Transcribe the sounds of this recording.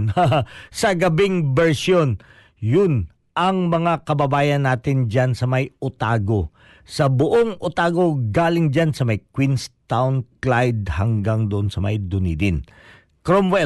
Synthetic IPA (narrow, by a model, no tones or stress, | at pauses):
naɦasɐɡɐbɪŋbɛɹsjon | jʊn | ʔɐŋmɐŋakɐbɐbaːjɐnːaːt̪ɪnd͡ʒansɐmɐjʊt̪aːɡo | sɐbʊʔoŋʔʊt̪aːɡo̞ɡaːlɪŋd͡ʒansɐmɐjkwinst̪awnklajd̪̚hɐŋɡaŋd̪ʊʔonsɐmɐ̰jd̪ʊnḭd̪ɪn | kɾomwɛ